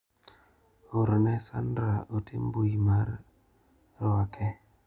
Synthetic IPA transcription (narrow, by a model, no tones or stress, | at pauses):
oɾnɛsa̰ndɾaotʰembojimaɾ | ɾwakʰɛ